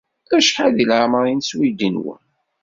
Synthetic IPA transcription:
æʃħaðilʕməɾinswid̪inwə̰n

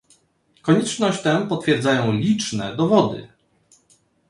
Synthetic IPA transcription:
kɔɲɛt͡ʂnɔɕt͡ɕt̪ɛpɔt̪fʲjɛɾd̪zajɔ̃w̃lʲit͡ʂnɛd̪ɔvɔd̪ɘ̰

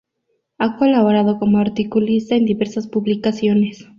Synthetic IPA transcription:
ako̞laβoɾað̞o̞ko̞moaɾt̪ikulist̪aend̪iβe̞ɾsaspuβlikasjo̞ne̞s

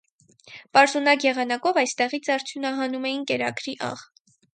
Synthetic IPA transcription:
pɑɾzunɑkjɛʁɑnɑkɔvɑjst̪ɛʁit͡sʰɑɾt͡sʰjunɑɦɑnumɛjinkɛɾɑkɾiʔɑ̰ʁ

